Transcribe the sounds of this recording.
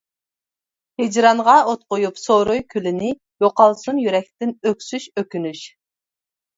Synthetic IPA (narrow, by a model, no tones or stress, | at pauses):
hed͡ʒɾɑnʁɑot̪̚qʊjupsoɾojkʲʰylɪnɪ | joqɑlˠsunjyɾɛk̚ʲt̪ɪnøkʲsyʃøkʲynyʃ